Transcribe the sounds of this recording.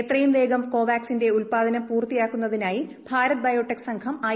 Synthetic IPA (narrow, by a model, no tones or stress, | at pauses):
et̪rɐjumʋe̞ːɡɐmko̞ːʋaːksinde̞ulpaːd̪ʱɐnɐmpuːrt̪ijaːkːunːɐðinaːjibʱaːɾɐt̪̚bɐjo̞ːʈːeksɐŋkʰɐmaː